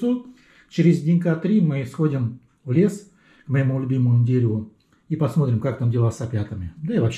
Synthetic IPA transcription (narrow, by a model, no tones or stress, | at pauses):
u | t͡ɕɪɾʲɪzʲdʲɪnʲkat̪ɾʲimɨsxo̞dʲɪm | vlʲe̞s | kməjɪmulʲʊbʲiməmʊdʲeɾʲɪvʊ | ipɐsmo̞t̪ɾʲɪmkak̚t̪amdʲɪlˠasɐpʲat̪əmʲɪd̪aivɐpɕ